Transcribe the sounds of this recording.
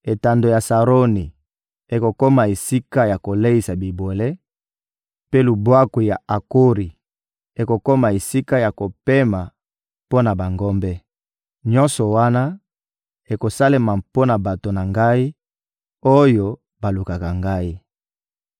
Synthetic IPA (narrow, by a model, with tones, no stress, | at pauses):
e˨ta˨ndo˨ja˨sa˨ʁo˦ni˨ | e˨ko˨ko˦ma˨e˨si˦ka˦ja˨ko˨le˦i˨sa˨bi˨bo˨le˦ | pe˦lu˨bwa˦ku˨ja˨a˨ko˦ʁi˨ | e˨ko˨ko˦ma˨e˨si˦ka˦ja˨ko˨pe˦ma˨ | po˦na˨ba˨ŋɡɔ˦mbɛ˦ | ɲɔ˦nsɔ˨wa˦na˦ | e˨ko˨sa˦le˦ma˨po˦na˨ba˨to˨na˨ŋɡa˦i˦ | o˦jo˦ | ba˨lu˨ka˨ka˨ŋɡa˦i˦